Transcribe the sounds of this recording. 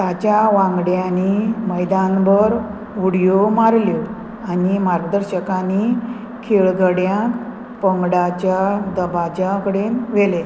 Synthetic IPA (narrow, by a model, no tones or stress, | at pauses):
t̪at͡ɕjaʋãŋɡɽjaniməjd̪ãnbəɾ | ʋuɽjomaɾljo | animaɾɡəd̪əɾɕəkani | kʰeɭɡəɽjã | pəŋɡɽat͡ɕjad̪əbad͡ʑakəɽenʋele